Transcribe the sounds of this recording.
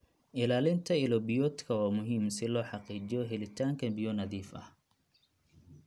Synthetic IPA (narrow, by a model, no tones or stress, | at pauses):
ʔɪlaːlɪnt̪ʰɐɪlɔbɪjɔːt̪kʰɐwaːmʊɦiːmsɪlɔːħɑqiːt͡ʃɪjɔɦɛlɪt̪ʰaːŋkʰɐnbɪjɔnɐðiːfɐ̰h